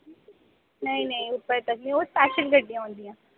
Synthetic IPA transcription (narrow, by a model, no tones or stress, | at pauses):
nɐĩnɐĩʊp̪ːəɾt̪ɐkmĩospaːʃəlɡʱɐʈːĩjãɦõːnd̪iãː